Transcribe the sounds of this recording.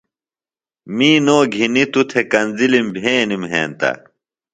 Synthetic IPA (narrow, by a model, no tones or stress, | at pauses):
miːnoːɡʱinit̪ut̪ʰekɐnzilimbʱeːnimɦḛːnt̪ɐ̰